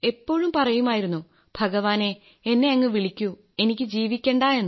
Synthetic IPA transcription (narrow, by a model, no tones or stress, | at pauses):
e̞pːo̞ːɻumpɐrɐjumaːjiɾunːu | bʱɐɣɐʋaːne̞ | enːe̞ɐŋːɐʋiɭikʲːu | e̞nikʲːɨd͡ʑiːʋikʲːe̞ːɳɖaːe̞nː